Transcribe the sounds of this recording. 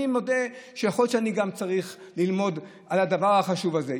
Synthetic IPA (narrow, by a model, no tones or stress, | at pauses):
imod̪eʃejaχolt͡ʃeaniɡamt͡saʁiχlilmo̞d̪ | alad̪avaʁhaχaʃuvaze